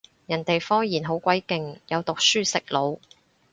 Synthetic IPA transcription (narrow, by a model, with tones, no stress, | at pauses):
jɐ˨˩nt̪e˨jfɔː˥ŋjiː˨˩nɦo˨˥wkʷwɐ˨˥jkɪ˨ŋjɐ˨˧wt̪ʊ˨k̚syː˥sɪ˨k̚lo˨˧w